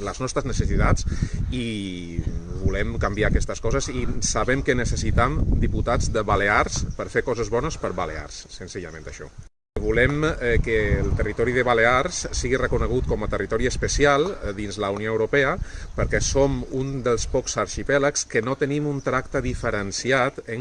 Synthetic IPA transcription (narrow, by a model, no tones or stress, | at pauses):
ləznɔst̪ɾəznəsəsit̪at͡si | βulɛmkambiaːkɛst̪əskɔzəzisaβɛmkənəsəsit̪amd̪iput̪ad͡zðəβaleaɾspəɾfekɔzəzβɔnəspəɾβalḛa̰rsːənziʎəmḛ̃nt̪əʃɔ̰ | βulɛmkəːlˠt̪ərit̪ɔɾiðəβaleaɾssiɣirəkunəɣ̞ut̪̚kɔmət̪ərit̪ɔɾiəspəsialˠðinzləunioəwɾupɛəpəɾkɛsomund̪əlˠspɔksaɾʃipɛləkskənot̪ənimunt̪ɾak̚t̪əðifəɾənsiat̪əŋ